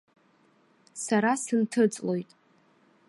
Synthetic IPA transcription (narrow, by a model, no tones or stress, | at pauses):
saɾasɨntʰɨt͡sʼlo̞jtʼ